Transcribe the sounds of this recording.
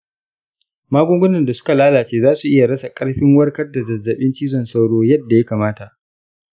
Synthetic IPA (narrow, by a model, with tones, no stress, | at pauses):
maː˦ɡʷʊ˦ŋɡʷʊ˦nɐ˨nda˨sʊ̥˦ka˨laː˦laː˨t͡ʃeː˦zaː˦su˨ʔɪ˦ja˨ɽɐ˦sa˨kʼɐ˦ɽɸɪ˦ŋwɐ˦rkɐ˦rda˨zɐ˨zːɐ˨ɓɪ˦nt͡ʃiː˦zɔ˨nsa˦wɽoː˦jɐ˦dːa˨ja˦kaː˨maː˦ta˨ʔ